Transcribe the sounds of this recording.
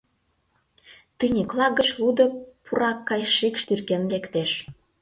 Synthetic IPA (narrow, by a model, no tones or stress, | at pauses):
t̪ynʲiklɑɣə̆t͡ɕlud̪ə̆pʰuɾɑkːɑjʃikʃt̪yrkenlekt̪eʃ